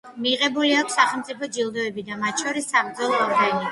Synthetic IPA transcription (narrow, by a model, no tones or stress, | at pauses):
miʁɛbuliakʰʷsːaχɛlˠmt̪sʼipʰɔd͡ʒilˠd̪ɔɛbid̪amat̪ʃɔɾisːapɾd̪zɔlˠɔːɾɡani